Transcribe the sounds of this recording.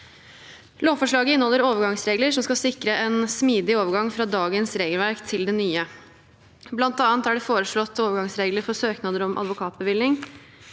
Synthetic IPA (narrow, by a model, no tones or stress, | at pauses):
loːʋfɔʂɭɑːɡəɪnhɔlːəɾoːʋəɾɡɑŋsɾeːɡləʂɔmskɑsɪkɾəʔɛnsmiːd̪ɪoːʋəɾɡɑŋfɾɑːd̪ɑːɡənsɾeːɡəlʋæɾkt̪ʰɪld̪ɛnyːə | blɑnt̪ɑːnt̪æɖɛfoːɾəʂɭɔt̪ːoːʋəɾɡɑŋsɾeːɡləɾfɔɾsøːknɑd̪əɾɔmʔɑ̰d̪ʋʊkʰɑːt̪̚bəʋɪːlɪŋ